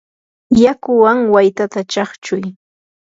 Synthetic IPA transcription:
jakʊwaŋwajt̪at̪at͡ʃɑχt͡ʃʊj

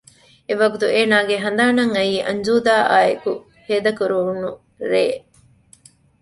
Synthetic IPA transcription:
eʋɐɡut̪ueːnaːɡeɦɐnd̪aːnɐŋɐjiːʔɐ̰ɲd͡ʒuːd̪aːʔaːeku | heːd̪ɐkuɾuɦunːu | ɾeː

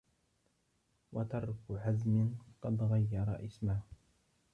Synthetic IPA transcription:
wɑt̪ɑɾˤkʊʕazmɪnqɑd̪ɣajːɑɾˤɑ̰ʔɪsmaː

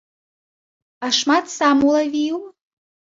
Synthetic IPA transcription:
aʂmat̪samulˠavʲiju

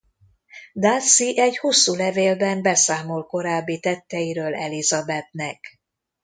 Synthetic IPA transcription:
d̪asːiʔɛɟhusːuːlɛveːlbɛmbɛsaːmo̞lko̞ɾaːbːit̪ɛt̪ːɛjiɾøːlɛlizɒbɛt̪nɛk

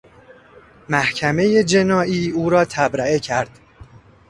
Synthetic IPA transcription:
mæhcʰæme̞je̞d͡ʒe̞nɒːʔiːuːɾɒːt̪ʰæbɾæekcʰæɾd̪̥

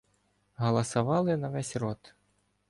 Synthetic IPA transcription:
ɦɐlˠɐsɐʋɑlˠɪnɐʋɛsʲrɔt̪

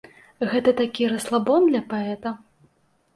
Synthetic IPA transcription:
ɣɛt̪ɐt̪akʲiɾɐslˠabɔnd̪lʲɐpaɛt̪ɐ

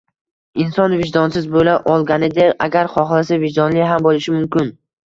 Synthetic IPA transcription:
ɪnsɒnvɪʒd̪ɒnsɪzbolaʔɒlˠɡʲanɪd̪ɪʔaɡʲaɾχɒχlˠasavɪʒd̪ɒnlɪɦambolɪʃɪmʊmkʲɪn

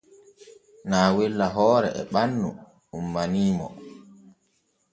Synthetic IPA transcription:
naːwelːaɦɔːɾɛ̰ʔɛ̰ɓanːu | umːaniːmɔ̰

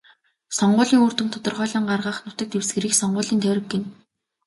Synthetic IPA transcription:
sɔɴɢʊːɮiːŋoːr̥t̪ɘ̆nt̪ʰɔt̪ɞ̆rχœːɮɞːɴɢarʁaːχnʊt̪ə̆t̪ewsɡɘ̆ɾiːksɔɴɢʊːɮiːnt̪ʰæwʲɾɘ̆ɡːen

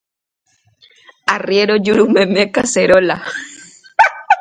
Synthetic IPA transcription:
arjeɾod͡ʒuɾumemekaseɾola

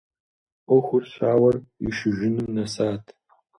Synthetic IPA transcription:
ʔʷɔxʷʊrɕʷaːwɐrḭʃɪʒɪnɨmnɐsaːtʰ

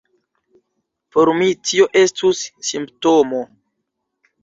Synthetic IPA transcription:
po̞ɾmitio̞ʔe̞stusːimptomo

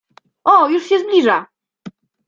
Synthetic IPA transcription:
ʔɔjuʂɕɛzblʲiʐa

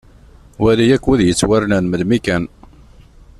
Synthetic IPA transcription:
wælijækːwiðjət͡sːwæɾnænməd̪mikæn

